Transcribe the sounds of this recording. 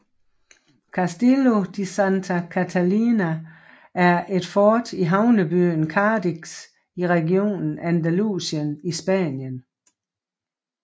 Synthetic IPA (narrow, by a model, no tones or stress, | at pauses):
kʰæsd̥elo̝d̥isænt͡sʰækʰæt͡sʰælinæ | ʔæɐʔe̝d̥fɒːd̥iɦɑ̈ʊnəb̥y̰ːn̩kʰɑ̈ːd̥iɡ̥s | iʁɛɡio̝̰ːnn̩ænd̥ælṵːsənisb̥æ̰njən